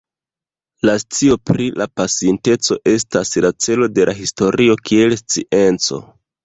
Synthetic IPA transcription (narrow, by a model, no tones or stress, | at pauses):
last͡sio̞pɾilapasiente̞t͡so̞ʔe̞staslat͡se̞lo̞de̞laɦisto̞ɾio̞kʰie̞lst͡siʔe̞nt͡so̞̰